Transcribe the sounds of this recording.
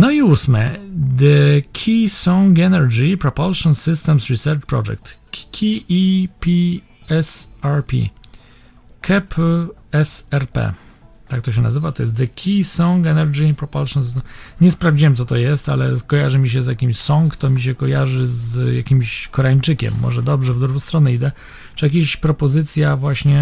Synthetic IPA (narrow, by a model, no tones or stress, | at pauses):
nɔiusmɛ̰d̪ɛkʲʰisɔŋɡɛnɛɾd͡ʑipɾɔpɔlʂɔnsɘst̪ɛmsɾisɛɾt͡ʂpɾɔ̰ʐɛ̰k̚t̪ | kʲʰipʲi | ɛsaɾpʲḭ | kʰɛpɛsɛɾpɛ̰t̪ak̚t̪ɔɕ̬ɛnazɘvat̪ɔjɛst̪d̪ɛkʲʰisɔŋɡɛnɛɾd͡ʑiinpɾɔpɔlʂjɔnsɨst̪ɛmɲɛspɾavd͡ʑiwɛmt̪sɔt̪ɔjɛst̪alɛkɔjaʐɘmʲiɕ̬ɛzjakʲimɕsɔŋkt̪ɔmʲiɕ̬ɛkɔjaʐɘzjakʲimɕkɔɾaiɲt͡ʂɘkʲɛ̰mːɔ̰ʐɛd̪ɔbʐɛvd̪ɾuɡɔ̃w̃st̪ɾɔnɛid̪ɛ | ʐɛjak̬ʲeɕpɾɔpɔzɘt̪sʲjavwaɕɲɛ